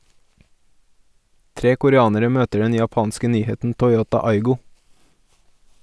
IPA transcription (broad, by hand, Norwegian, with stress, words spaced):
ˈtɾeː kʊɾəˈɑːnəɾə ˈmøːtəɖ ˈɛn jɑˈpɑːnskə ˈnyːhɛtn̩ tɔʏˈoːtɑ ˈɑɪɡʊ